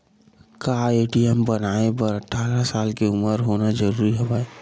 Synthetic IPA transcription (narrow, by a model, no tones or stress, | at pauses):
kaeːʈijəmbənaːepəɾəʈʰaːɾasaːlkeʊməɾɦoːnad͡ʒəɾuːɾiɦobaːe